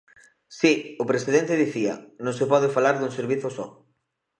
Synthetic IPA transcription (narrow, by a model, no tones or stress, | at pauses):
siʊpɾesið̞ent̪eðiθiɐ̰nõŋsepɔð̞ɪfalaɾðuŋseɾβiθʊsɔ